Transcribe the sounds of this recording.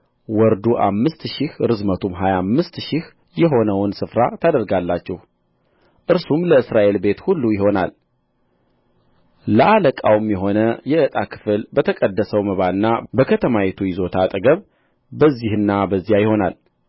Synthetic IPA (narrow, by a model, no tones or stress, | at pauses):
wɔɾd̪uʔa̰mːɨst̪ʃɪhɾɨzmət̪ʰumɦajamːɨst̪ʃɪh | jɛɦo̞nəwnsɨfɾat̪ʰad̪əɾɡalːat͡ʃːɛh | ʔɨɾsumləɨsɾaʔe̞lbe̞t̪hulːujɪho̞na̰l | ləʔaləkʼawmjɛɦo̞nəjɛʔɨt̪ʼakʰɨ̥fɨlbət̪ʰəkʼəd̪ːəsəwməβaɨnːabəkʰət̪ʰəmawet̪ʰujɪzo̞t̪ʰat̪ʼəɡəβ | bəzːihɨnːabəzːijajɪho̞na̰l